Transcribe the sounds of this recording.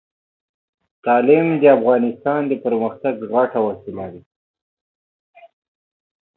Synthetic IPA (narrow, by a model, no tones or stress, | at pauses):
t̪ɑlɪmd̪əafɣɑnɪst̪ɑnd̪əpəɾməxt̪aɡɣaʈawasilawi